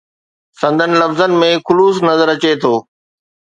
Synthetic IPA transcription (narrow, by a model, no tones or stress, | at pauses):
sɐ̃nd̪ʱənɪ̆lɐfzənɪ̆mẽxʊluːsnɐzəɾɐt͡ɕet̪ʰoː